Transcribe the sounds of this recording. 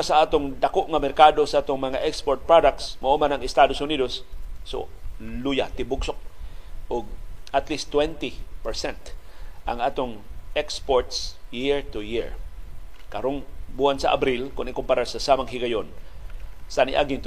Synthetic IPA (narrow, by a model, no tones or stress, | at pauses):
asaaːt̪oŋd̪akoʔŋamɛɾkad̪osaʔaːt̪oŋmɐŋaʔɛkspoɹt̪̚pɾadak̚t̪smaʔumanaŋɪst̪ad̪osʊniːd̪osːo̰luja̰t̪ɪbʊɡsok̚ʔʊɡ̚at̪list̪ːwɛnt̪ipɛɹsɛnt̪ʔa̰ŋaːt̪oŋɛkspoɹt̪sjiɹt̪ʊjiɹ | kɐɾoŋbuhansa̰ʔa̰bɾilkʊnɪkʊmpaɾasasamaŋhɪɡajon | sanḭʔa̰ɡɪnt̪